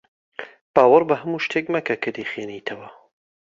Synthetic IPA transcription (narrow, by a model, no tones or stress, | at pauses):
b̥aːwɐɾbɐɦɐmuːʃt̪ʰek̚mɐkɐkʰɨd̪ixeːnit̪ʰɐwɐ